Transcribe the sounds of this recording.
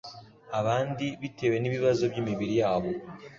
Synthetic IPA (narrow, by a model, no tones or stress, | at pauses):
aβaːndiβitʰe̞we̞niβiβazo̞bjimiβiɾijaːβo̞